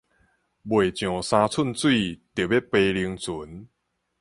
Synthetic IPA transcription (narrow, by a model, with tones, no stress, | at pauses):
bwe˨˩t͡ɕjɔ̃˨˩sã˧t͡sʰu˥˨nt͡swi˥˨t̪je˨˩be˦˥pe˧li˧ə˧ŋt͡su˨˦n